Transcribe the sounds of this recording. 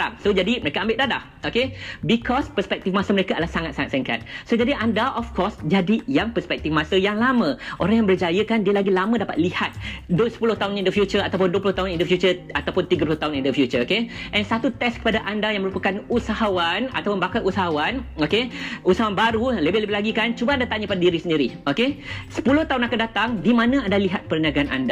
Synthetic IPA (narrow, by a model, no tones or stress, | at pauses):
ɾa̰ŋsod͡ʒadiməɾekaambɪʔ̚dadah | okebikʰɔspəspɛk̚t̪ifmasəməɾekaadlahsaŋat̪saŋat̪sɛŋka̰t̪̚sod͡ʒadiʔandaʔɔfkɔsd͡ʒadijaŋpərspɛk̚t̪ifmãsəjaŋlamə̃ʔoɾaŋjãŋbərd͡ʒajəkandiəlaɡilamə̃dapat̪̚lihat̪̚dosə̥pulʊht̪aʊnindəfjut͡ʃəɾat̪awpʊnduəpulʊht̪aɦunindəfjut͡ʃərat̪awpʊnt̪iɡapulʊht̪aɦʊnĩndəfjut͡ʃərokeʔɛnsat̪ut̪ɛskə̥padaʔandajaŋməɾupakanusaɦawana̰t̪awpʊnbakalʔusaɦawanokeusaɦawanbaɾuləbɛhləbɪhlaɡikant͡ʃubaandat̪aɲəpadadiɾisəndiɾiokesə̥pulʊht̪aɦunakadat̪aŋdimãnãandaliɦat̪̚pəɾəniaɡaana̰nda